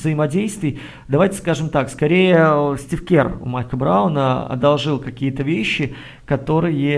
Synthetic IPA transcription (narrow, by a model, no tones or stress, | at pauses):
zəjɪmɐdʲejst̪vʲɪj | d̪ɐvajtʲɪ̥skaʐɨmt̪akskɐɾʲejəsʲtʲɪfkʲerʊ̰majkəbɾaʊnəɐ̰d̪ɐlˠʐɨlˠkɐkʲijət̪əvʲeɕːɪ | kɐt̪o̞ɾɨjə